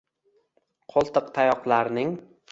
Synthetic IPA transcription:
qʰolˠt̪ʰɨqt̪ʰajɒqlˠaɾnɪŋ

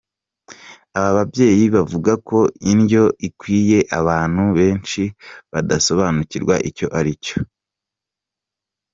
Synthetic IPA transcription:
aβaβabɟe̞ːjiβavuɡako̞inɟo̞ʔikwiːje̞ʔaβaːn̥huβe̞ːnt͡ʃiβadaso̞βaːnuciɾɡwa̰ʔico̞ʔaɾico̥

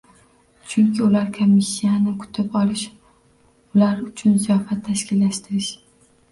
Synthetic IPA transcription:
t͡ʃʰʊŋkʲʰɪʊlaɾkʰomːisːijanɪkʰʊ̥t̪ʰɪpɒlˠɪʃ | ʊlaɾʊt͡ʃʰʊnzijɒfat̪ʰːaʃkʲɪlːaʃt̪ʰɪɾɪʃ

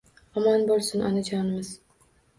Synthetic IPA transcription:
ɒmanbɒɾsʊnʔa̰nad͡ʒʰɒnɪmɪz̥

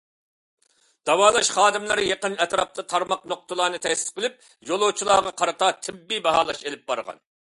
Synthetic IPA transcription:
d̪̥ɑwɑːlˠɑʃχɑːd̪ɪmlˠɨɾjeqənɛt̪ɾɑp̚t̪ɑt̪ʰɑɾmɑq̚noq̚t̪ɨlˠɑːnɨt̪ʰɛsɪ̥t̪qʰəlɪp̚ | jolˠot͡ʃʰilˠɑːʁɑqʰɑɾɨt̪ɑt̪ʰɪbːibɑɦɑːlˠɑʃelɪp̚bɑ̰ɾʁɑ̰n

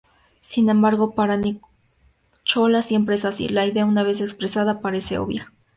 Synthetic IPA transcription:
sine̞mbaɾɣopaɾani | t͡ʃolasje̞mpɾeesasḭlaiðeaunaβe̞s̬ekspɾesaðapaɾe̞sḛo̰βja

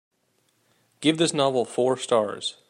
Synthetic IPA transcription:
ɡ̥ɪvðɪsnɑvl̩ˠfɔɹstɑɹz̥

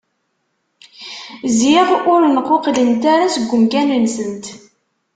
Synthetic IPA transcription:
zjiʁʊɾnəqːoqlənt̪aɾasəɡʷːəmkænənsənt̪

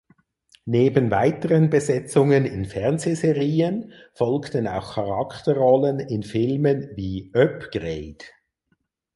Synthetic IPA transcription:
neːbənvaɪtəʁənbəzɛt͡sʊŋənɪnfɛɐnzezeʁiːən | fɔlktəna̰ʊxkʰɑʁɑktəʁɔlənɪnfɪlmənviːʔœpɡ̥ʁeɪd

